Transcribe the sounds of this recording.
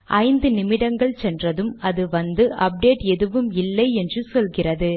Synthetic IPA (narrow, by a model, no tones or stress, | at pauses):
ʔɐɪnd̪ɯnɪmɪɽɐŋɡɐɭt͡ʃɛndrɐðɯmɐðɯʋɐnd̪ɯʔɐp̚ɖeːʈɛðɯʋɯmɪlːɐɪɛndrɯsɔlɣɪrɐðɯ